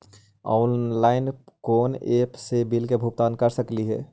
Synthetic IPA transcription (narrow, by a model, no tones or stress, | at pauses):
a̰ːnlaːɪnkoːnepsebilkebʱup̚t̪aːnkəɾsəkliɦɛ̰ː